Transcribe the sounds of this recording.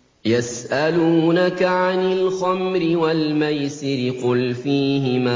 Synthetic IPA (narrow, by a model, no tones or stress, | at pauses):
jasʔaluːnakaʕanɪlxamɾɪwalmajsɪɾɪqʊlfiːɦɪmaː